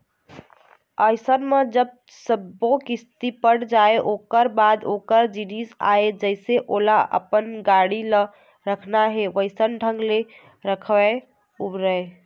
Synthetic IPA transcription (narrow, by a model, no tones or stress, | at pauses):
əɪsənmed͡ʒəb̚ | səbokist̪ipəɽd͡ʒaeʔokəɾbad̪okəɾd͡ʒinisa̰ed͡ʒəɪseʔolaʔə̰pənɡaɽilə | ɾəkʰnaɦeʋəɪsənɖʱə̃ŋɡle | ɾəkʰʋa | ubɾəe